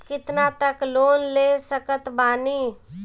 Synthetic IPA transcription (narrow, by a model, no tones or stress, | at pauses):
kɪt̪nat̪əkloːnlesəkət̪baːni